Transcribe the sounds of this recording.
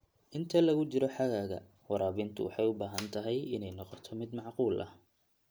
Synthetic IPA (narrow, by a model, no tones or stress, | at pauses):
ʔɪnt̪ʰɐlɐɣʊt͡ʃɪɾɔħɑɣaːɣɐ̰ | wɑɾaːβɪnt̪ʰʊ̰wɑ̰ħɑjʊbaːɦɐnt̪ʰɐɦɛjɪnɛjnɔqɔt̪ʰɔmɪd̪mɑʕquːlʔɐ̰h